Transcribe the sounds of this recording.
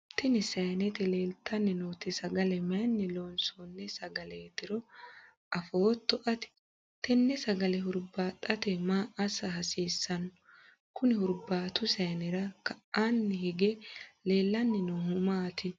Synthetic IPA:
t̪ɛnɪsɐjnɛt̪ɪle̞ːlt̪ʰːɐnːɛnoːt̪ɪsɐɡɐlɛmɐnːɛloːnsonːɛsɐɡɐleːt̪ɪɾɔ | ʔɐfoːt̪ːɔʔɐt̪ɪ̥ | t̪ɛnːɛsɐɡɐlɛɦʊɾbaːt̪ʼːɐt̪ɛmaːʔɐsɐɦɐsiːsːɐnːɔ | kʊnɪhʊɾbaːt̪ʊsɐjnɛɾɐkɐʔʔanːɛhɪɡɛle̞ːlːɐnːɪnohʊmaːt̪ɪ

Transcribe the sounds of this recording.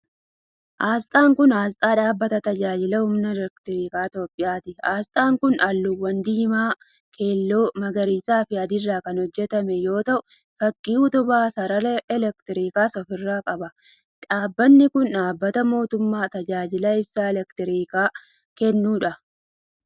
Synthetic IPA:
ʔaːst̪ʼaːŋkʊnaːst̪ʼaːᶑaːbːɐt̪ɐt̪ɐd͡ʒaːd͡ʒɪlɐhʊmnɐlɛkt̪ɪɾiːkaːt̪o̞ːpʼːɪjaːt̪ɪaːst̪ʼaːŋkʊnʔɐlːʊwːɐnd̪iːmaː | kʰe̞ːlːo̞ːmɐɡɐɾiːsaːfɪɐd̪ɪrːaːkɐnhɔd͡ʒːɛt̪ɐmɛjo̞ːt̪ɐʔʊ | fɐkʼːiːʊt̪ʊbaːsɐɾɐlɛlɛkt̪ɪɾiːkaːsɔfɪrːaːkʼɐbɐ | ᶑaːbːɐnːɪkʊnᶑaːbːɐt̪ɐmo̞ːt̪ʊmːaːt̪ɐd͡ʒaːd͡ʒɪlɐɪbsaːɛlɛkt̪ɪɾiːkaː | kɛnːuːᶑɐ

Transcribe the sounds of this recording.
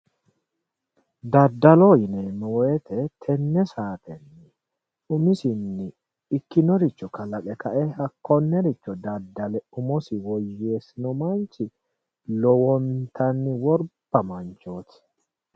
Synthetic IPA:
d̪ɐd̪ːɐloːjɪneːmɛwɔɛt̪ʰɛt̪ʰɛnːɛsaːt̪ʰɛnːɪ | ʊmɪsɪnːɪ | ɪkːɪnɔɾɪt͡ʃːɔkɐlɐkʼɛkʰɐʔɛhɐkːɔnːɛɾɪt͡ʃːɔd̪ɐd̪ːɐlɛʊmɔsɪwɔjːeːsɪnɔmɐnt͡ʃɪ | lɔwɔnt̪ʰɐnːɪwɔɾb̥ɐmɐnt͡ʃoːt̪ɪ̥

